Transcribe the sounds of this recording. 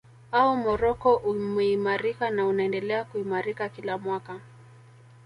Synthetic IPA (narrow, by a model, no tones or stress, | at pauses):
aumɔɾɔkɔʔumɛimaɾikanaunaɛndɛlɛakuimaɾikakilamwaka